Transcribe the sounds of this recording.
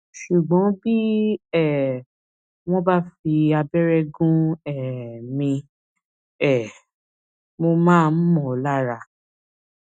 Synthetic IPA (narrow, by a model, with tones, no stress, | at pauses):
ʃu˨ɡ͡bɔ̃˨˦bi˦ɛ˦˨ | w̃ɔ̃˦ba˦fi˧a˧bɛ˦ɾɛ˦ɡũ˦ɛ˦˨mĩ˧ | ɛ˦˨ | mo˧mãː˦˧˦n̩˦mɔ̃˨la˦ɾa˧˨